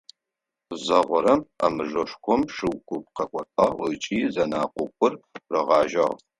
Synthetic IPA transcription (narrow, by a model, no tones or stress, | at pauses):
zɐʁʷɔɾɐma̰mɨʐɐʂkʷʰɔmʂɨwkʷʊp̚qɐkʷʰʼɔtʼɐət͡ʃʼiːzɐnaːqʷʼʊkʷʼʊrrɐʁɑːʒɐ̰ʁ